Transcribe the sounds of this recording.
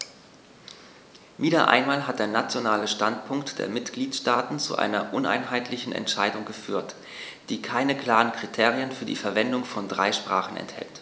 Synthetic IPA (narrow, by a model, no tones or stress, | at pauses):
viːdɐ̰ʔa̰ɪnmaːlɦat̚d̥eːɐnat͡sjonaːləʃtantpʰʊŋktd̥ḛːɐmɪtɡ̥liːtʃtaːtn̩t͡sṵʔa̰ɪnɐʔʊnʔa̰ɪnɦaɪtʰlɪçn̩ʔɛ̰ntʃaɪdʊŋɡəfyːɐt | d̥iːkʰaɪnəkʰl̥aːʁənkʁ̥itʰeːʁiənfyːɐdḭːfɛɐvɛndʊŋfɔndʁaɪʃpʁ̥a̰ːχn̩ɛ̰nthɛ̰lt